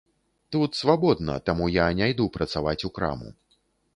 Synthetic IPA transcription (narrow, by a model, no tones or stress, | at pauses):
t̪ut̪svabɔd̪nɐ̰t̪amujanʲajd̪upɾɐt̪savat͡sʲukɾa̰mṵ